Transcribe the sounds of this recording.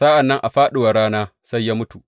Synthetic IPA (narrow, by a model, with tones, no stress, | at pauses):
sa˦ʔa˨nːɐ˦ŋʔa˨ɸaː˦ɗɪ˨wa˨ɽaː˦naː˦sa˦jːaː˦mʊ˦tu˨